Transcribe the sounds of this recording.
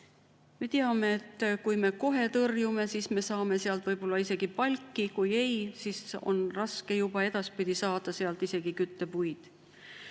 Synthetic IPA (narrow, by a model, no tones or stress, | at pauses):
me̞t̪eɑme̞ːt̪ːkujme̞ko̞ɦe̞t̪ɤrjume̞sisme̞sɑːme̞seɑlt̪vɤjb̥o̞lːɑise̞ɡ̥ipɑlʲkːikuje̞jsiso̞̰nrɑske̞jub̥ɑe̞d̪̥ɑspid̪̥isɑːd̪̥ɑseɑlt̪ise̞ɡ̥ikyt̪ːe̞pujd̪̥